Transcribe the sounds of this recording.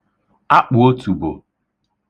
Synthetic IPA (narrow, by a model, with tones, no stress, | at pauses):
a˦k͡pʊ˨o˦tu˨bo̰˨